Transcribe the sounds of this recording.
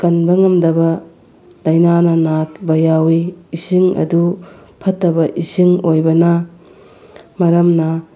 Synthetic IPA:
kɐnbɐŋɐmdɐbɐ | lɐjnanɐnat̚bɐjawiːsiŋɐ̰du | pʰɐtːɐbɐʔisiŋojbɐnɐ | mɐɾɐmnɐ

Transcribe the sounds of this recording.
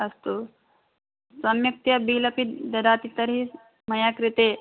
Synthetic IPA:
ɐst̪u | sɐmjɐk̚t̪jɐbiːlɐpid̪ɐd̪aːt̪it̪ɐɾi | mɐjaːkɾit̪eː

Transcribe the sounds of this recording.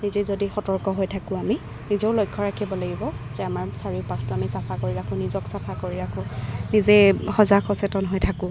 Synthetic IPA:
nizɛzodixɔtɔɹkɔɦojtʰakʊ̃ami | nizɔʊlojkʰːɔɹakʰibɔlaɡibɔzɛamaɹsaɹiʊpastʊamisapʰakoɹiɹakʰʊ̃nizɔksapʰakoɹiɹakʰʊ̃nizɛxɔzakʰɔsɛtɔnɦojtʰakʊ̃

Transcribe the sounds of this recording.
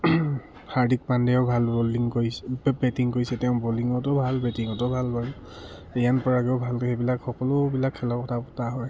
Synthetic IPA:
haɹdik̚pandɛʊbʱalboliŋkoɹibɛtiŋkoɹisɛtɛʊ̃boliŋɔtɔbʱalbɛtiŋɔtɔbʱalbʱal | ejanpɔɹaɡɛʊbʱalkebilakxɔkɔlʊbilakʰːɛlɔkɔtʰapɔtaɦɔj

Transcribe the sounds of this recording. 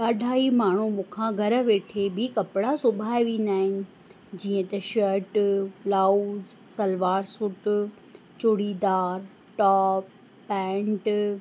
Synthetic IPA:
kaːɖʱaːimaːɳ̤umʊkʰãɡʱɐɾə̆ʋeːʈʰebɪkɐpɪɽasʊbʱaːeʋẽːn̆d̪aːɦɪnɪ̆ | d͡ʑiːə̃t̪ɐʃəɾʈlaːuz | sɐlʋaːɾsʊʈʊ | t͡ɕʊɽid̪aːɾ | ʈaːpː | ɛ̃ːɳʈ

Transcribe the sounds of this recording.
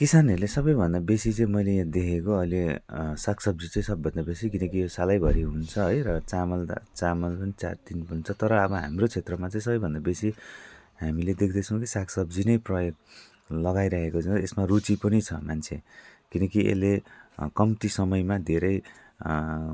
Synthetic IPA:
kisanʌɾlesʌbʌjbʱʌnd̪abesit͡sʌ̃ĩmʌjlejãd̪ekʰekoʌjlesaksʌbd͡zit͡sʌ̃j̃sʌbːʱʌnd̪abesikinʌkijosalajbʱʌɾiɦunt͡sʰʌɦʌjrʌt͡samʌl̰t͡samʌlpʌnit͡sa̰d̪inpʌnt͡sʰʌt̪ʌɾʌːbʌɦamrot͡sʰet̪rʌmat͡sʌ̃ĩsʌbʌjbʱʌnd̪abesi | ɦamiled̪ek̚ʰd̪ʌt͡sʰʌ̃w̃kisaksʌbd͡zinʌjprʌjoɡ̚ | lʌɡajɾaɦekot͡sʌ̃esmarut͡sipʌnit͡sʰʌmant͡sʰḛkinʌkiʔḛlːekʌmt̪isʌmʌjmad̪ʱeɾʌj

